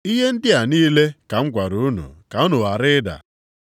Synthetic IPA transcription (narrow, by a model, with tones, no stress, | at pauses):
i˦ɦe˦n̩˦dɪ˦a˨niː˦le˦ka˨ŋ̩˦kʷa˨ɾu˨˦nṵ˨ka˨˦u˦nu˨a˨ɾɪ˦da̰˨